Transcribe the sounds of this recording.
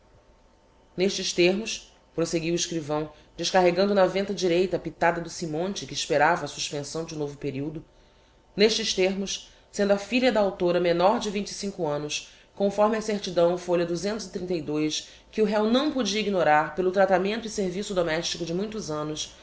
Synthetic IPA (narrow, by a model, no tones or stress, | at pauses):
neʃt͡ʃɪʃt̪eɾmʊs | pɾoseɡiwiʃkɾivɐ̃w̃ | d͡ʒɪʃkaɦeɡɐ̃nd̪ʊnɐvẽnt̪ɐd͡ʒiɾejt̪ɐpit̪ad̪ɐd̪ʊsimõnt͡ʃɪkɪːʃpeɾavɐːsuʃpẽsɐ̃w̃d͡ʒɪnovʊpeɾiwd̪ʊ | neʃt͡ʃɪʃt̪eɾmʊʃ | sẽnd̪uɐfiʎʲɐd̪ɐawt̪oɾɐmenɔɾd͡ʒɪvĩɲt͡ʃɪ̥sĩŋkʊɐ̃nʊs | kõfɔɾmɪɐseɾt͡ʃid̪ɐ̃w̃foʎɐd̪uzẽnt̪ʊzit̪ɾĩnt̪ɐjd̪ojs | kɪʊɦɛwnɐ̃w̃pod͡ʒiɐiɡinoɾaɾpelʊt̪ɾat̪amẽnt̪ʊiseɾvisʊd̪omɛʃt͡ʃikʊd͡ʒɪmũj̃t̪ʊzɐ̃nʊs